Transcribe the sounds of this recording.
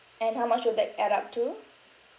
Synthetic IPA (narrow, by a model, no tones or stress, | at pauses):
ɛ̃nɦawmat͡ʃwud̚dɛt̚ɛɾap̚tʰu